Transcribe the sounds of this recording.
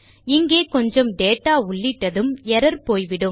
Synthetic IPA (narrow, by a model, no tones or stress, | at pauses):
ɪŋɡeːkɔɲd͡ʒɐmɖeːʈːaːʊɭːɪʈːɐðɯmɛɾɐɾpoːjʋɪɽɯm